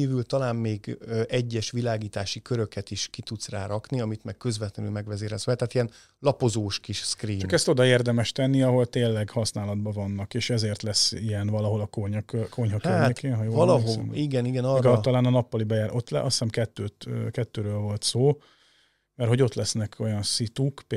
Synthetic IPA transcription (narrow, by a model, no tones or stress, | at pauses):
iːvylt̪ɒlaːmmeːɡøʔɛɟːɛʃʋilaːɡiːt̪aːʃikøɾø̞kɛt̪iʃkit̪ut̪sraːɾɒkniɒmit̪mɛkkøzvɛt̪lɛnylmɛɡʋɛzeːɾɛzʋɛlt̪aːt̪iɛn | lɒpo̞zoːʃkiʃskriːt͡ʃɒmkɛst̪o̞d̪ɒeːrd̪ɛmɛʃt̪ɛnːiɒɦo̞lt̪eːlːɛɡhɒsnaːlɒd̪̚bɒvɒnːɒkeːʃɛzeːrt̪lɛsijɛnvɒlɒɦo̞lɒkoɲkøkʰo̞ɲɦɒhaørːɲeːkeːnɦɒjoːvɒlɒɦoiɡɛniɡɛnɒɛɡɒlt̪ɒlaːnɒnɒpːɒlibɛjaːɾʔot̪ːlɛʔɒsɛmkɛt̪ːøːt̪kɛt̪ːøːɾøːlvo̞lt̪soː | mɛrhoɟo̞t̪lɛsnɛkʰo̞jɒnsit̪ukp